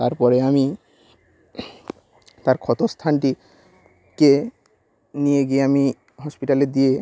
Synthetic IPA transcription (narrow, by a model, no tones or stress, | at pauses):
t̪aɾpɔɾeami | t̪aɾkʰɔt̪ost̪ʰanʈi | ke | nijeɡieami | ɦɔspiʈaled̪ije